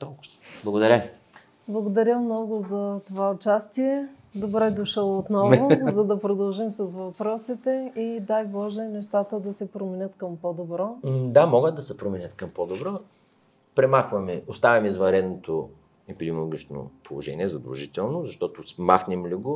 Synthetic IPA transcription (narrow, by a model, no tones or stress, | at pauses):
t̪ɔlˠkʊ̥blˠɐɡod̪ɐɾʲə | blˠɐɡod̪ɐɾʲjəmnɔɡʊzɐt̪ovaot͡ʃast̪iɛ | d̪obɾɛd̪oʃɤlˠot̪nɔvʊzɐd̪ɐpɾod̪ɐlˠʒimsɐsvɐpɾɔsit̪ɛid̪ajbɔʒɛnɛʃt̪at̪əd̪ɐsɛpɾomɛnʲət̪kɐmpod̪obɾɔd̪amɔɡət̪̚d̪ɐsɛpɾomɛnʲət̪kɐmpod̪obɾɔ | pɾɛmaxvɐmɛost̪avʲɐmizvɐnɾɛd̪not̪o | ɛpid̪ɛmolˠoɡʲit͡ʃno̰pʰolˠoʒɛ̰nʲiɛzɐd̪ɐ̰lˠʒit̪ɛlˠnʊzɐʃt̪ɔt̪ʊsmaxnɛmliɡo